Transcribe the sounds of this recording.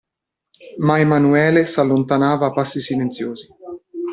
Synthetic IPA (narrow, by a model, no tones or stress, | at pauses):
maemanuɛːlesalːont̪anaːvaːpːasːisilent̪sjoːzi